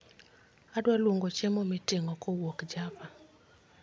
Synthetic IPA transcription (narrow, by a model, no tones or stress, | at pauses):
adwalwoŋɡot͡ʃemɔmɪtɪŋɔkɔwokd͡ʒapa